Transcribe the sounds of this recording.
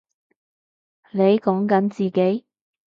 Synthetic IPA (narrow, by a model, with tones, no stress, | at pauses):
le˨˧jkɔː˨˥ŋkɐ˨˥nt͡siː˨ke˨˥j